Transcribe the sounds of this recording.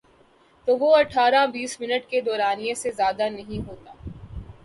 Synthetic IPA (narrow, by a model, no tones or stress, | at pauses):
t̪oʋoɐʈʰaːɾãbiːsmɪnəʈked̪ɔːɾaːnijẽsezjaːd̪anɐɦĩɦoːt̪aː